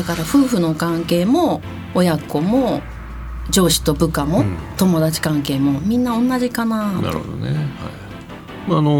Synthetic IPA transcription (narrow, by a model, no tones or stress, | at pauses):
d̪akaɾaɸɯ̟ːɸɯ̟no̞kãŋke̞ːmo̞ː | jako̞mo̞ | d͡ʑo̞ːɕi̥t̪o̞bɯ̟kamo̞t̪o̞mo̞d̪at͡ɕi̥kãŋke̞ːmo̞mʲĩnːaõ̞nːaʑikanana̰ɾ̰od̪o̰neha̰i | maːno